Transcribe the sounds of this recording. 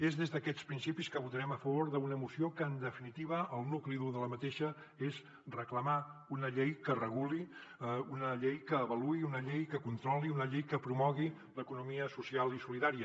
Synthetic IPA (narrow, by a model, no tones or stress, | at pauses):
ezðezðəkɛt͡spɾinsipiskəβut̪əɾɛməfəβ̞oɾðəunəmusiokəːnd̪əfinit̪iβ̞əəlˠnukliðuðələmət̪eʃə | ez | rəkləmaunəʎejkərəɣuliunəʎejkəːβəluiunəʎejkəkunt̪ɾɔliunəʎejkəpɾumɔɣi | ləkunumiəsusialˠisuliðaɾiə